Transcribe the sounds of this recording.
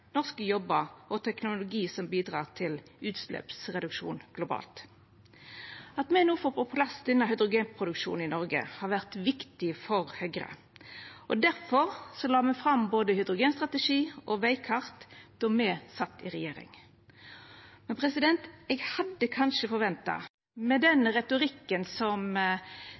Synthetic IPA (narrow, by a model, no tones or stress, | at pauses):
nɔʁskəjɔbəɔt̪ʰɛknʊlʊɡiːsɔmbiːd̪ʁɑ̰ːʁt̪ʰɪlʉːt̪slɛ̰ːpsʁɛd̪ʉkʂṵːnɡ̥lʊbɑ̰ːlt̪ | ɑt̪mɛnuːfɔʁpɔpʰlɑsd̪ɛnːɑhœʏd̪ʁʊɡeːnpʰʁʊd̪ʉkʂṵːnɪnɔʁɡə̰hɑːʁʋæʁt̪ʋɪkt̪ɪfɔʁhœɡʁə̰ | ʔɔd̪æɾfɔʁsɔlɑːmɛfʁɑmboːd̪əhʏd̪ʁʊɡeːnst̪ʁɑt̪əʂiːʔɔʋæɪkʰɑʁt̪d̪̥ɔmɛsɑt̪ːɪʁɛjeːɾɪ̰ŋ | mɛnpʰʁɛsɪd̪ɛnt̪ɛɡhɑd̪ːəkʰɑnʂəfɔɾʋɛnt̪ɑ̰ | mɛd̪ɛnʁɛt̪ʊɾɪkːənsɔm